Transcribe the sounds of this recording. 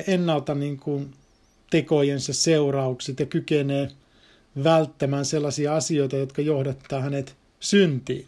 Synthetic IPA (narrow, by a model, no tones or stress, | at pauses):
enːɑlt̪ɑniːŋkun | t̪ekojensesseurɑukset̪jɑkykeneː | ʋælt̪ːæmæːnselːɑsiɑɑsioit̪ɑjot̪kɑjohdet̪ːɑːhænet̪ | synt̪ḭːn